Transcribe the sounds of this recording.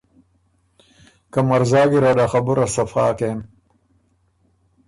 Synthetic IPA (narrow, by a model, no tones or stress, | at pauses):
kɐmɐɾzaːɡiɾad̪axɐbuɾasɐfa̰ːkem